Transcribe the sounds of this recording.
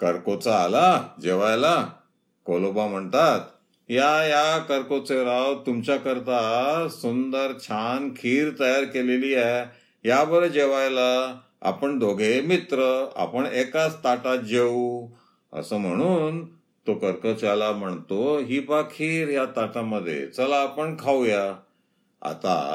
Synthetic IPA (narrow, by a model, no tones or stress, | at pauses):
kəɾkot͡saːlad͡ʑeʋajla | kolobam̤əɳt̪at̪ | jajakəɾkot͡seɾawt̪umt͡ɕjakəɾt̪asund̪əɾt͡ɕʰankʰiːɾt̪əjaɾkelelie | ɦjabəɾəd͡ʑeʋajla | a̰pəɳd̪ʱoɡʱemit̪ɾəa̰pəɳekat͡st̪aʈad͡ʑe | ə̰səːm̤əɽ̃uːn | t̪okəɾkot͡salam̤əɳt̪oɦiːbakʰiːɾɦjat̪aʈaməd̪ʱːjḛt͡səlaːpəɳkʰawja | a̰t̪a̰